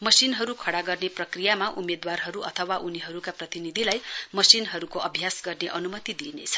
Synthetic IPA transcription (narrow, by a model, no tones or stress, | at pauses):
mʌsinɦʌɾukʰʌɽaɡʌrneprʌkrijamaʔumed̪warɦʌɾuʔʌ̰t̪ʰʌwaʔuniɦʌɾukaprʌt̪inid̪ʱilajmʌsinɦʌɾukoʌbʱjasɡʌrneʔʌnumʌt̪id̪inḛt͡sʰʌ̥